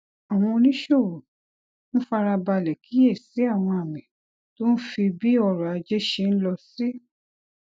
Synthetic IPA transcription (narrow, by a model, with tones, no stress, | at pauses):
a˨w̃ɔ̃˧nĩ˦ʃo˦˨wo˨ | ñ̩˦fa˧ɾa˧ba˧lɛ˨kʰi˨˦e˦˨si˨˦a˦˨w̃ɔ̃˧a˨mĩ˨ | to˦n̩˦fi˧bi˦ɔ˧ɾɔ˨a˨˧d͡ʒe˦ʃe˧n̩˦lɔ˧si˦